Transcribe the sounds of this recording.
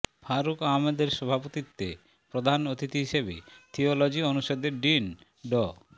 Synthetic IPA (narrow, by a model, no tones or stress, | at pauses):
bʰʱaɾukamed̪eɾʃɔbʱapot̪it̪ːe | pɾod̪ʱanot̪it̪iɦiʃebḛt̪ʰiolod͡ʑionuʃod̪eɾɖin | ɖɔ